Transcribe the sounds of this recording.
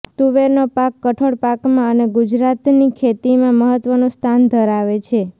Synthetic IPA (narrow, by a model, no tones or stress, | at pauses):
t̪uʋeɾnopakːəʈʰoɽpakmãəneɡud͡ʒɾat̪nikʰet̪imãməɦət̪ʋənõst̪ʰand̪ʱəɾaʋet͡ʃʰe